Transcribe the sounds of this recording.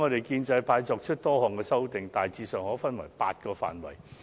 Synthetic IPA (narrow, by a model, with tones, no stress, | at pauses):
ŋɔː˨˧ɾe˨jkiː˧nt͡sɐ˧jpʰaː˨˧jt͡ʃɔː˧k̚t͡ʃʰɵ˥t̚t̪ɔː˥hɔː˨˩ŋkɛː˧sɐ˥wt̪ɪ˨ŋt̪aː˨jt͡siː˧sœː˨ŋhɔː˨˥fɐ˥nwɐ̰˨˩jpaː˧t̚kɔː˧fa̰ː˨˩nwɐ̰˨˩j